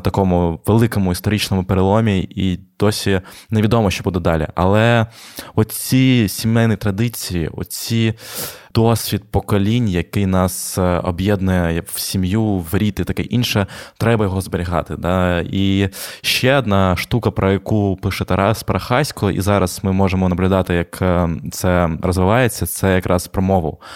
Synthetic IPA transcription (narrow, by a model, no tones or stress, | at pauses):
t̪ɐkɔmʊʋelˠɪkɔmʊist̪ɔɾit͡ʃnɔmʊpeɾɪlˠɔmʲiid̪̥ɔsʲineʋʲid̪ɔmɔʃt͡ʃɔbud̪ɛd̪ɑlʲḭʔɐ̰lˠɛ | ɔt̪t͡sʲisʲimɛjnijt̪ɾɐd̪ɪt͡sʲijḭɔ̰t̪t͡sʲid̪̥ɔsʲʋʲit̪̚pɔkɔlʲinʲjɐkɪjnɑsɔ̰bjɛd̪nʊjɛwsʲimjuʋɾʲit̪ɪt̪ɐkɛʔinʃɛt̪ɾɛbɐjɔɦɔzbeɾʲiɦɑ̰t̪ɪd̪ɑiʃt͡ʃɛɔd̪nɑʃt̪ukɐpɾɔjɐkupɪʃɛt̪ɛɾʔɑspɾɐxɑsʲkɔʔḭzɑɾɐsmɪmɔʐemɔnɐblʲʊd̪ɑt̪ɪjɐkt̪sɛɾɔzʋɪʋɑjet͡sʲːɐt̪sɛjɐkɾʔɑspɾɔmɔʋɪ̰w